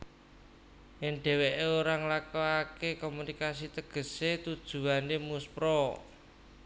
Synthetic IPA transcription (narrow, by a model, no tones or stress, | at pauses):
ɪnɖ̥ɛ̤weʔeoɾaŋlakoakekomunikas̬it̪əɡ̥ə̤set̪ud̥ʒ̥ṳanemuspɾɔ